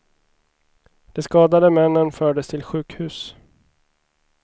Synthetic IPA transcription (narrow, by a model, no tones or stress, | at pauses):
d̪̥ɛskɑːd̪ad̪əmɛnːənfœːɖəst̪ʰɪlɧʉ̟ːkhʉ̟ːs